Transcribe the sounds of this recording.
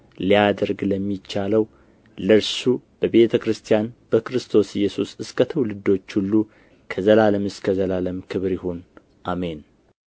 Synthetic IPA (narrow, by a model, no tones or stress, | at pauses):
lijad̪əɾɡləmːit͡ʃːaləw | ləɾsub̥əβe̞t̪ʰəkɾɨst̪ʰijanb̥əkɾɨst̪ʰo̞sɪjːɛsusɨskət̪ʰəwlɨd̪o̞t͡ʃːhulːu | kʰəzəlaləmɨskʰəzəlaləmkʰɨβɾɪhun | ʔame̞n